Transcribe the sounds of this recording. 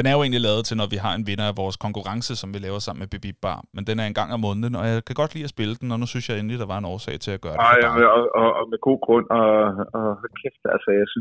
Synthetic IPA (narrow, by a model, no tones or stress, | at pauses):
d̥enæɐjoe̝ːnlilɛːʊð̩ˠt͡sʰe̝lnɒʋiɦɑ̈e̝nʋe̝nɐæʋɒːskʰɒ̽ŋkʰuʁɑ̈ŋsəsɒ̽mʋilɛːʊɐsɑ̈m̰n̩meb̥eb̥ib̥̚b̥ɑ̰̈ːnmend̥enæɐe̝nɡ̥ɑ̈ŋ̰æmɔ̽nð̩ˠənɒ̽jɑ̈ɪkʰæɡ̥ɒ̽d̥lḭːæsb̥e̝ləd̥en̩ɒ̽nusynsjɑɪe̝n̩lid̥ɑ̈ʋɑ̈e̝nɒːsɛ̰ːɪt͡sʰe̝læɡ̥ɶːɐdeɒɒmeɡ̥o̝̰ːɡ̥ʁɔ̽n̰ɒɒkʰefd̥ælsəjɑ̈ɪsyn